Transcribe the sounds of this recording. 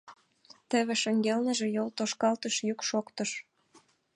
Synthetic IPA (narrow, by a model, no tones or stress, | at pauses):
t̪ə̆βĕʃə̆ŋɡelnə̆ʒĕjolt̪oʃkɑlt̪əʃjykʃokt̪əʃ